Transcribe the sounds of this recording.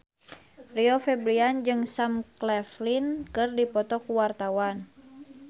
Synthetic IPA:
riɔfɛbɾiand͡ʒɨŋsamklɛflinkɨrdipɔt̪ɔkuwart̪awan

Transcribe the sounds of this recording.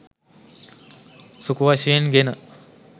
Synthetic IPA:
sukuʋaʃeenɡenə

